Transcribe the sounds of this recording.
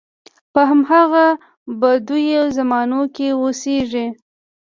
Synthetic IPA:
pəɦamɦaɣa | bad̪ujezamɑnokewoseʐi

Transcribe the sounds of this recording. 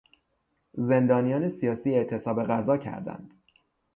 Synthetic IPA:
ze̞nd̪ɒːnijɒːne̞sijɒːsiːe̞ʔt̪ʰe̞sɒːbe̞ɣæzɒːcʰæ̰ɾd̪æ̰nd̪̥

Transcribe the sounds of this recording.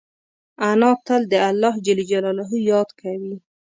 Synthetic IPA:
anɑt̪əld̪əalːɑɦd͡ʒalid͡ʒalɑlaɦujɑd̪kʰawi

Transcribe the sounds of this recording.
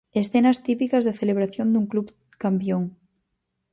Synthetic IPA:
esθenast̪ipikazðeθeleβ̞ɾaθjond̪uŋklup | kampjoŋ

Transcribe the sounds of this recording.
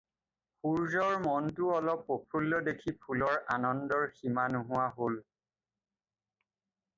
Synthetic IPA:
puɹzɔɹmɔntʊɔlɔpːopʰulːɔdekʰipʰulɔɹanɔndɔɹximanʊɦʊwaɦol

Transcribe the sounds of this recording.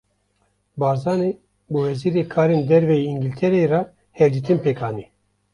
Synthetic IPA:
bɑːɾzɑːneː | buwɛziːɾeːkʰɑːɾeːnd̪ɛɾvɛjeiŋɡilt̪ʰɛɾeːrɑ | hɛld͡ʒit̪ʰɨnpeːkʰɑːniː

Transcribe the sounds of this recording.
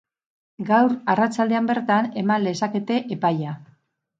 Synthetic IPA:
ɡawɾarat͡ʃald̪e̞ambe̞ɾt̪ane̞manle̞ːsake̞t̪e̞ʔepaja

